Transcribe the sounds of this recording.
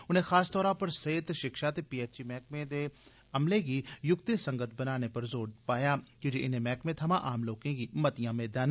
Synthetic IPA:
ʊnẽːxʰaːst̪ɔːɾãːpəɾset̪ʃɪkʃaːt̪eːpiːeːt͡ʃiːmɛːk̚mẽːd̪eː | əmleːɡiːjʊk̚t̪esə̃ŋɡət̪̚ʰbənaːneːpəɾzoːɽpaːjaːkɪd͡ʒeːɪneːmɛːkmẽːt̪ʰəmãːʔaːmloːkẽːɡiːmət̪ɪjãːmeːd̪aːn

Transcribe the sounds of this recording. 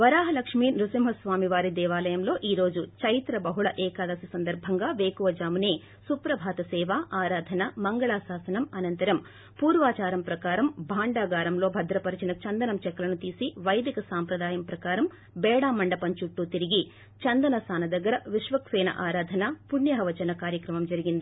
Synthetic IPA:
ʋɐɾaːɦɐlɐkʂmiːnɾusimɦɐsʋaːmiʋaːɾid̪ɛːʋaːlɐjɐmlo̞ːʔiːɾo̞ːd͡ʒut͡ʃɐjt̪ɾɐbɐɦuɭɐʔɛːkaːd̪ɐsisɐnd̪ɐɾbʱɐŋɡaːʋeːkuʋɐd͡ʒaːmuneː | supɾɐbʱaːt̪ɐsɛːʋaːʔaːɾaːd̪ʱɐnɐmɐŋɡɐɭaːsaːsɐnɐmɐnɐnt̪ɐɾɐm | puːɾʋaːt͡ʃaːɾɐmpɾɐkaːɾɐmbʱaːɳɖaːɡaːɾɐmlo̞ːbʱɐd̪ɾɐpɐɾit͡ʃinɐt͡ʃɐnd̪ɐnɐmt͡ʃɛkːɐlɐnut̪iːsiʋɐjd̪ikɐsaːmpɾɐd̪aːjɐmpɾɐkaːɾɐm | bɛːɽaːmɐɳɖɐpɐɲt͡ʃuʈːut̪iɾiɡi | t͡ʃɐnd̪ɐnɐsaːnɐd̪ɐɡːɐɾɐʋiʂʋɐkʃɛːnɐ̰ʔaːɾaːd̪ʱɐnɐpuɳjɐɦɐʋɐt͡ʃɐnɐkaːɾjɐkɾɐmɐmd͡ʒɐɾiɡind̪i

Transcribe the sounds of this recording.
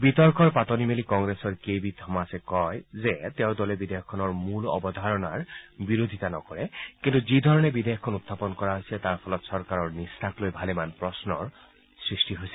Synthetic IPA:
bitɔɹkɔɹpatɔnimelikɔŋɡɹesɔɹkejbitʰɔmasɛkɔjzɛtɛʊ̃dɔlɛbidejɔkʰːɔnɔɹmulɔ̰bɔd̪ʱaɹɔnaɹbiɹod̪ʱitanɔkɔɹɛkintuzidʱɔɹɔnɛbideɔkʰːɔnut̪ʰːapɔnkɔɹaɦojsɛtaɹpʰɔlɔtsɔɹkaɹɔɹnistʰaklojbʱalɛmanpɹɔsnɔɹ | sɹistiɦojsɛ

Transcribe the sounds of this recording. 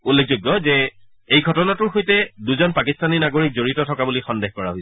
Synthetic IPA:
ulːek̚ʰzoɡjɔzɛ | ejɡʱɔtɔnatʊɹxojtɛduzɔnpakistaninaɡoɹik̚zoɹitɔtʰɔkabulixɔndexkɔɹaɦojs

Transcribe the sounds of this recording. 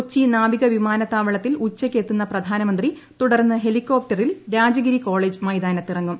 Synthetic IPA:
t͡ɕːinaːʋiɣɐʋimaːnɐt̪ːaːʋɐɭɐt̪ːilut͡ɕːɐkʲːet̪ːunːɐprɐd̪ʱaːnɐmɐnd̪ri | t̪uɽɐrnːɨɦe̞likːo̞ːp̚ʈɐrilɾaːd͡ʑɐɣɐɾiko̞ːɭeːd͡ʑmɐjd̪aːnɐt̪ːirɐŋːum

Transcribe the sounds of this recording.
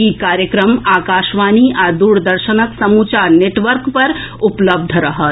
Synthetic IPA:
ikaːɾjəkɾəmaːkaːʃʋaːniʔad̪uːɽd̪ɐɾʃənəksɐmuːt͡ʃaːɾneːʈʋəɾkpɐɾʊpləb̚d̪ʱɾɐɦət̪

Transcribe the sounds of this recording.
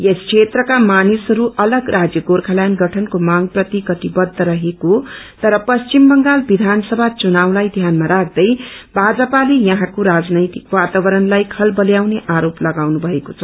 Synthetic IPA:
jeskʰet̪rʌkamanisɦʌɾuʔʌlʌɡrad͡zjʌɡorkʰalajnɡʌʈʰʌnkomaŋprʌt̪ikʌt̪ibʌd̪ʱːʌɾʌɦekot̪ʌɾʌpʌst͡ʃimbʌŋɡalbid̪ʱansʌbʱat͡sunawlajd̪ʱjanmaɾak̚ʰd̪ʌjbʱad͡zʌpalejʌɦãkoɾad͡znʌjt̪ikwat̪abʌɾʌnlajkʰʌlbʌljawneʔaɾoplʌɡawnubʱʌekot͡sʰʌ

